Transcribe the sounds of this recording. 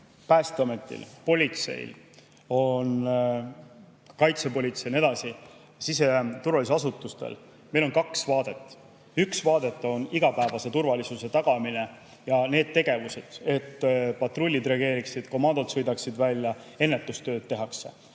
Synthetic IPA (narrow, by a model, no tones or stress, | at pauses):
pæːst̪eɑme̞t̪ːˑḭlpo̞lʲit̪se̞̰j̰l | o̞n | kɑjt̪sepo̞lʲit̪se̞jne̞d̪ɑsi | sise̞t̪urvɑlʲis̬eɑsut̪ːˑust̪ḛl | me̞jlo̞nkɑksvɑːd̪̥e̞t̪ːˑ | yksvɑːd̪e̞t̪ːˑo̞niɡ̥ɑpæevɑse̞t̪urvɑlʲisuse̞t̪ɑɡ̥ɑmine̞ | jɑne̞ːd̪̥̚t̪e̞ɡ̥e̞vuse̞d̪̥e̞t̪ːpɑt̪ro̞lʲːid̪ɾeɑɡe̞ːɾiksid̪̥komɑːd̪ot̪sɤjd̪ɑksid̪vælʲjɑ | e̞nːe̞t̪ːˑust̪ø̞ːd̪̥̚t̪ːe̞ɦɑkse̞